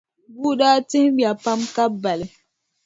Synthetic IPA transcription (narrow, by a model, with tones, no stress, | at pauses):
bu˦daː˦tĩ˦bi˨a˨pã˦mka˦ba˨li˨